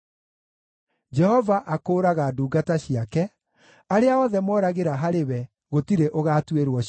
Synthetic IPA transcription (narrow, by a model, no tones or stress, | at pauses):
d͡ʒɛhɔvaʔakoːɾaɣaduːɡataɕiakɛ | aɾeaɔðɛmɔɾaɣeɾaɦaɾewɛ | ɣotiɾeʔoɣaːtweɾwɔ